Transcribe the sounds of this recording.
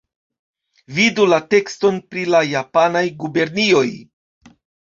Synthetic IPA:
vidulate̞ksto̞npɾilajapanajɡube̞ɾnio̞j

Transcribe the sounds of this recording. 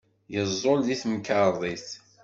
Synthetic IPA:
jəzˤːolðiθmkəɾˤðˤiθ

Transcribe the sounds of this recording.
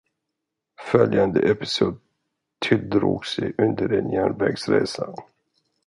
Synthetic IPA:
fœljand̪əʔɛpɪ̥suːd̪̚ | t̪ʰɪld̪ɾuːɡsɛjʔɵnd̪əɾɛnjæːɳvɛɡsɾeːsa

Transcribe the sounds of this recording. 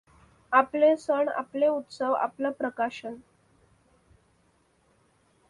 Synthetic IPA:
aplesəɳa̰pleut̪səʋa̰plapɾəkaɕən

